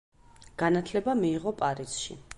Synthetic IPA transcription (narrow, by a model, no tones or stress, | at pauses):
ɡ̥anat̪ʰlɛbamiːʁɔpʼaɾisʃḭ